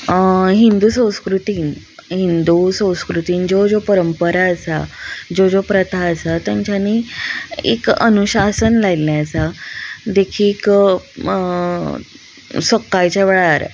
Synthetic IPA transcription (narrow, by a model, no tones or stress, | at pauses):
ɦind̪uːsə̃w̃skɾut̪iːn | ɦind̪usə̃w̃skɾut̪iːnd͡ʑod͡zopəɾəmpəɾaəsa̰d͡ʑod͡zopɾət̪ʰaəsat̪jãɲt͡ɕani | ḛkə̰nuɕasənlailːjat͡sad̪ekʰiːk | səkːajt͡ɕaʋeɭaɾ